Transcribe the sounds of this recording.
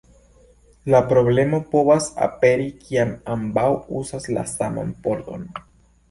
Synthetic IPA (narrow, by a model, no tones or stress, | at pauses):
lapɾo̞ble̞mo̞po̞vasa̰pe̞ɾikʰiamambawusasla̰sama̰npo̞ɾt̪o̞̰n